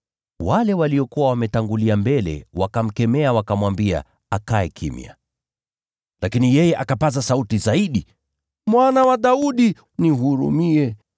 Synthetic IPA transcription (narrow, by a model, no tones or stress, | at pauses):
walɛwaliɔkuwawamɛtaŋɡuliambɛlɛ̰wakam̩kɛmɛawakamwambia̰ | akaɛkʰḭmja̰ | lakinijɛjɛʔakapazasautizaiɗi | mwanawaɗauɗi | niɦuɾṵmiɛ